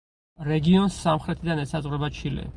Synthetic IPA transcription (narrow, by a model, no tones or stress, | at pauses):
ɾɛɡiɔnsːamχɾɛt̪ʰid̪anɛsazʼʁʼɾɛbat͡ʃʰilɛ̰